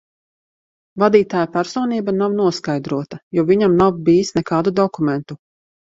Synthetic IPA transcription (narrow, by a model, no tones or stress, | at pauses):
vad̪iːt̪aːjapæɾsɔːniːbanawnuɔskajd̪ɾuɔt̪ajɔviɲamnawbiːisnɛkaːd̪ud̪ɔkumɛnt̪u